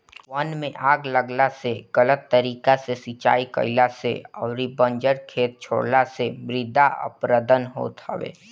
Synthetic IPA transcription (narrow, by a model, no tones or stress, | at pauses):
ʋɐnmẽʔaːɡləɡlaseɡ̥ələt̪ːəɾiːkasesit͡ʃa̰ːikə̰ɪlasḛɔːɾibə̃ɲd͡ʒəɽkʰeːt̪̚t͡ʃʰo̰ːɽlasemɾɪd̪ʱaʔə̰pɾəd̪ənɦo̰ːt̪hɐ̰ʋḛː